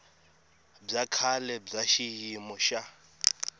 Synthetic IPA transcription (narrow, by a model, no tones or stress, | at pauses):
b͡ʐakʰalɛb͡ʐaʃijimɔʃa